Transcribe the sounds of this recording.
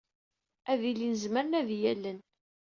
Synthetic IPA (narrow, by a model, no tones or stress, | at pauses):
æðilːinəzməɾənæðjælːən